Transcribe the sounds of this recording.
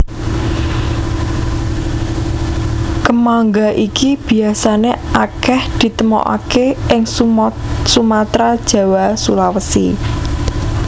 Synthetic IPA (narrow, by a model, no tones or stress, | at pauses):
kəmaŋɡaʔikib̥i̤asaneakɛhd̪̥i̤t̪əmɔ̰ʔa̰keʔɪŋ | sumat̪ɾad̥ʒ̥ä̤wasulawəsḭ